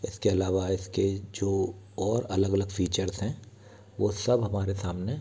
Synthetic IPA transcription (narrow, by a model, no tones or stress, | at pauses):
ɪskeɐlaːʋaɪsked͡ʒoː | ɔːɾɐləɡɐləɡfiːt͡ʃəɾzɦɛ̃ | ʋosɐbɦɐmaːɾesaːmne